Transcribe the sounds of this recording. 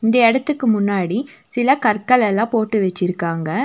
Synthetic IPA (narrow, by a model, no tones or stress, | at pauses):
ɪnd̪ɐɛɽɐt̪ːɯkːɯmʊnːaːɽisɪlɐkɐɾkɐɭɛlːãːpoːʈːɯʋɛt͡ʃːɪɾɯkːaːŋɡɐ